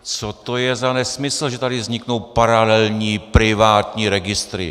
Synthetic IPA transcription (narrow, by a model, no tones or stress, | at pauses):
t͡sot̪ojɛzanɛsmɪsl̩ʒɛt̪adɪvzɲɪkno̞wpaɾalɛlɲiːpɾɪvaːt̪ɲiːɾɛɡɪst̪ɾɪ̰